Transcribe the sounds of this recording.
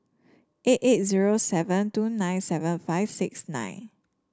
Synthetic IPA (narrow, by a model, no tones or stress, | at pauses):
ʔetet̚ziɹosɛvə̃ntunãj̃nsɛvə̃nfaɪvsɪksnã̰ɪ̃n